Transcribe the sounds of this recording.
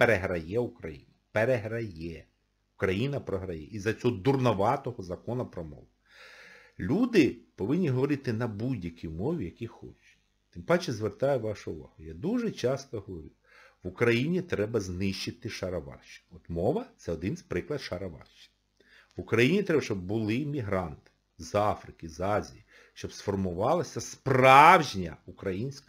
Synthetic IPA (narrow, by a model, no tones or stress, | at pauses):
peɾeɦɾɐjɛukɾɐjḭnɐpeɾeɦɾɐjɛ | ukɾɐjinɐpɾɔɦɾɐjɛ̰ʔizɐt͡sʲɔɦɔd̪urnɔʋɑt̪ɔɦɔzɐkɔnɐpɾɔmɔ̰ʋʊ | lʲud̪ɪpɔʋɪnʲːiɦɔʋɔɾɪt̪ɪnɐbudʲjɐkʲimɔʋʲijɐkʲixɔ̰t͡ʃt͡ʃʊ̥ | t̪ɪmpɑt͡ʃɛzʋert̪ɑjɛʋɑʃʊʊʋɑ̰ɦʊjad̪uʒɛt͡ʃɑst̪ɔɦɔʋɔɾʲu | ʋʊkɾɐjinʲit̪ɾɛbɐznɪʃt͡ʃɪt̪ɪʃɐɾɐʋɑ̰rʃt͡ʃɪ̥nɔt̪mɔʋɐt̪sɛɔd̪ɪnspɾɪklˠɐd̪ʃɐɾɐʋɑ̰rʃt͡ʃɪ̥n | ʋʊkɾɐjinʲit̪ɾɛbɐʃt͡ʃɔbbʊlˠɪmʲiɦɾɑnt̪ɪ̥ | zɑfɾɪkɪzɑzʲiji | ʃt͡ʃɔbsfɔrmʊʋɑlˠɪsʲɐsprɑwʒnʲɐukɾɐjinʲsʲk